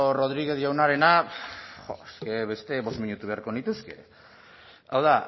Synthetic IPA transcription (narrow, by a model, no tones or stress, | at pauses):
ro̞ð̞ɾiɣeðiawnaɾe̞naxoeske̞βe̞st̪e̞βo̞zmiɲut̪uβe̞aɾko̞nit̪uske̞ | awða